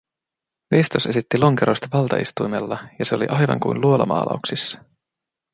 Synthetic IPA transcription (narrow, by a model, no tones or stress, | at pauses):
ʋest̪ose̞sit̪ːilo̞ŋkeɾo̞jst̪ɑʋɑlt̪ɑist̪ujme̞lːɑjɑse̞o̞lḭʔɑjʋɑ̰ŋkṵjnluolɑ̰mɑ̰ːlʔɑ̰uksisːɑ̥